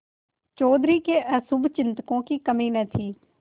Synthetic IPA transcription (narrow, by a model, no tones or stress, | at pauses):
t͡ʃoːd̪ɾiːkeːʔəːsʊbt͡ʃɪnt̪kõːkiːkəmiːnɛːt̪ʰiː